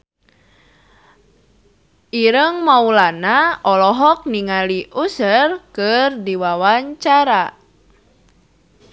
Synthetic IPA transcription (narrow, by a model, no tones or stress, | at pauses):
ʔiɾəŋmaulanaɔlɔɦɔk̚niŋaliʔusərkərdiwawaɲt͡ʃaɾa